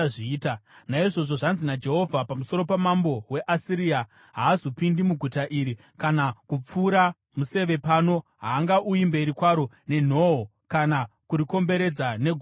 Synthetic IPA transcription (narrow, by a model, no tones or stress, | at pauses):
ʐiːtanaiʐo̞ʐo̞ʐanzinad͡ʒe̞ɦo̞vʱapamuso̞ɾo̞pamambo̞we̞ʔasiɾia | ɦaːzopindimuɡʱutaʔiɾi | kanakup͡fuːɾa | muse̞ʋe̞paːno̞ɦaːŋɡaʔuimbe̞ɾikwaɾo | ne̞n̤o̞ɦo | kanakuɾiko̞mbe̞ɾe̞d͡zane̞ɡʱ